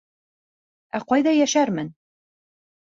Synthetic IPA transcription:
æqɒjd̪ɑjæʃæɾmɘn

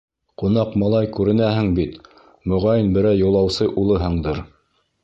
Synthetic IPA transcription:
qun̪ɑqmɑlˠɑjkʉɾɘ̆næhɘŋbit̪ | mɵ̆ʁɑjɘnbɘ̆ɾæjŭlˠɑwsɤʔulˠɤɦɤɴd̪ɤɾ

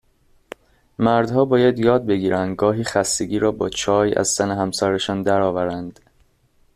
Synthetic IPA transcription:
mæɾd̪hɒːbɒːjæd̪jɒːd̪̚be̞ɡiːɾænd̪ɡɒːɦiːxæst̪eɟiːɾɒːbɒːt͡ʃʰɒːjæ̰z̥sæneɦæmsɒːɾeʃɒːnd̪æɾɒːvæɾænd̪̥

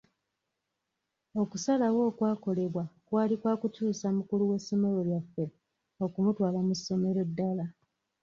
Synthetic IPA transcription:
o̞kusalawo̞ːkwaːko̞le̞βwakwaːlikwaːkutuːsamukuluwesːo̞me̞lo̞ljafːe̞ | o̞kumutwaːlamusːo̞me̞ɾo̞dːala

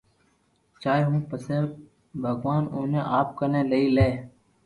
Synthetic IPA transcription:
t͡ʃaːeɦũːpəseː | bʱəɡʋaːnoːnẽːʔaːp̚kəɾneːləiːleː

